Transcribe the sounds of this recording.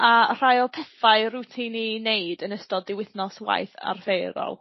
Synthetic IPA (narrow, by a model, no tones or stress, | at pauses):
ar̥ajɔlˠpʰɛθaɨrutʰinineɨdənəstɔdɪwɪθnɔswa̰jθa̰rvejɾɔ̰lˠ